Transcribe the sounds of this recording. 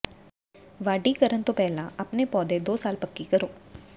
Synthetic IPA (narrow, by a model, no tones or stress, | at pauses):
ʋaːɖikəɾənt̪õpɛːlãɐpnepɔːd̪ed̪oːsaːlpɐkːikəɾoː